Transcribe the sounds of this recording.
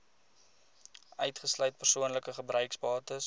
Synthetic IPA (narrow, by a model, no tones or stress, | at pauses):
œ̰ɥtχəslœɥt̚pərsuənləkəχəbrœɥksbɑːtəs